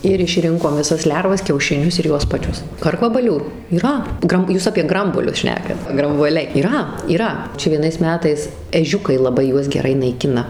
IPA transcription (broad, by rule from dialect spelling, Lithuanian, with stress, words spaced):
ɪr ɪʃʲˈrʲɪŋkoːm ʋʲɪˈsɐs ˈlʲɛrʋɐs kʲɛʊʃʲɪˈnʲʊs ɪr ˈjuɔs pɐˈt͡ʃʲʊs ˈkɐrkʋɐbɐlʲuː iːˈrɐ ˈɡrɐm ˈjuːs ɐpʲiɛ ˈɡrɐmbuɔlʲʊs ˈʃʲnʲæːkɐt ɡrɐmbuɔˈlʲɛɪ iːˈrɐ iːˈrɐ ˈt͡ʃʲɛ ʋʲiɛˈnɐɪs ˈmʲæːtɐɪs ɛˈʒʲʊkɐɪ lˠɐˈbɐɪ ˈjuɔs ɡʲɛˈrɐɪ nɐɪˈkʲɪnɐ